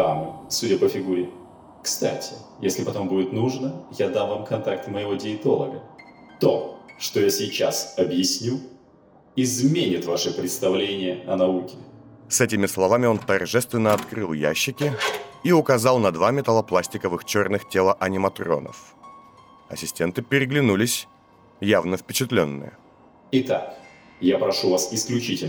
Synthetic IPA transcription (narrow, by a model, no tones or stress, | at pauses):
amɨ̰sudʲəpəfʲɪɡuɾʲɪ | kst̪a̰tʲɪjesʲlʲɪpɐt̪o̞mbudʲɪt̪nuʐnəjad̪anvamkɐnt̪ak̚t̪məɪvo̞dʲɪɪt̪o̞lˠəɡə | t̪o̞ʂt̪ojasʲɪt͡ɕasɐbjɪsʲnʲu | ɪzmʲenʲɪt̪vaʂɨpɾʲɪt̪st̪ɐvlʲenʲɪjəɐnɐukʲɪsɛtʲɪmʲɪslˠɐvamʲɪo̞nt̪ɐrʐɛst̪vʲɪnːəɐt̪kɾɨlˠja̰ɕːɪkʲɪiʊkɐzɑlˠnɐd̪vamʲɪt̪ɐlˠəplˠasʲtʲɪkəvɨxt͡ɕo̞rnɨxtʲelˠəʔɐnʲɪmɐt̪ro̞̰nə̰f | ɐ̰sʲɪsʲtʲe̞nt̪ɨpʲɪɾʲɪɡlʲɪnulʲɪsʲ | javnəfpʲɪt͡ɕɪt̪lʲo̞̰nːɨ̰jə̰ | ɪt̪a̰k | japɾɐʂuvasɪsklʲʉt͡ɕitʲɪlʲ